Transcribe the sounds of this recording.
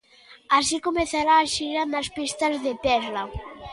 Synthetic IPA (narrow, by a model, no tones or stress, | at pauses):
asikomeθaɾaːʃiɾanaspist̪azðet̪ɛzla